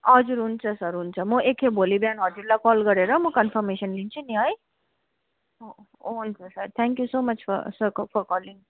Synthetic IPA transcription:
ɦʌd͡zuɾɦunt͡sʰʌsʌɾɦunt͡sʰʌmʌʔekʰebʱolibjanɦʌd͡zuɾlakɔlɡʌɾeɾʌmʌkʌnfʰʌɾmesʌnlint͡sʰuniɦʌj | ɦunt͡sʰʌsʌɾt̪ʰɛŋkjusomʌt͡ʃʰfʰʌ̰sʌɾfʰɔɾkɔliŋ

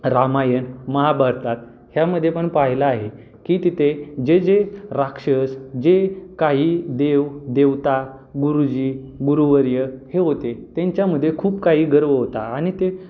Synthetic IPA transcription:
ɾamajənməɦabaɾt̪at̪ | hjaməd̪ʱːjepəɳpaɦilaːɦe | kiːt̪it̪ed͡ʑed͡zeɾakʂəsd͡ʑekaɦiːd̪eʋd̪eʋt̪a | ɡuɾud͡ʑiː | ɡuɾuʋəɾjəheɦot̪et̪ãɲt͡ɕjaməd̪ʱːjekʰuːpkaɦiːɡəɾʋəɦot̪aːɽ̃it̪e

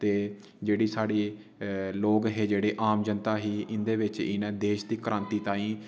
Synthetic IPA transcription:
t̪eː | d͡ʒeːɽiːsaːɽiː | loːɡɦeːd͡ʒeːɽeːʔaːmd͡ʒənt̪aːɦiːʔɪnd̪eːʋɪt͡ʃɪnɛ̃ːd̪eːʃd̪iːkəɾʔãːnt̪iːt̪ãːĩː

